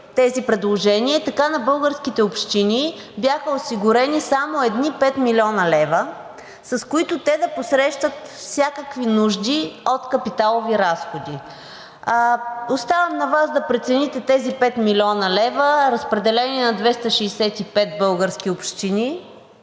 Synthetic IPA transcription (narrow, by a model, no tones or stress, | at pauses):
t̪ɛzipɾɛd̪lˠoʒɛniɛt̪ɐkanɐbɤlˠɡəɾskit̪ɛopʃt̪ini | bʲjaxəosiɡʊɾɛnisamoɛd̪nipɛt̪milʲiɔnɐlɛvə | sɐskoit̪ʊt̪ɛd̪ɐposɾɛʃt̪ət̪fsʲakəkvinuʒd̪iot̪kɐpit̪alˠoviɾasxod̪i | ost̪avəmnɐvazd̪ɐpɾɛt̪sɛnit̪ɛt̪ɛzipɛt̪milʲɔnəlɛvəɾɐspɾɛd̪ɛlɛniɛnɐd̪vɛst̪ɐʃɛːsɛt̪ipɛt̪̚bɤlˠɡəɾsk̟ʲiopʃt̪ini